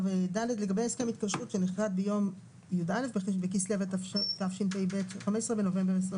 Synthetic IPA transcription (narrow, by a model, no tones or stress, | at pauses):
ved̪aled̪le̞ɡabejaskemit̪̚kaʃʁut̪ʃeniχʁad̪̚bejo̞m | jud̪ale̞fbebekislevett̪afʃintejbet̪χamessʁebenovembeʁes̬ʁe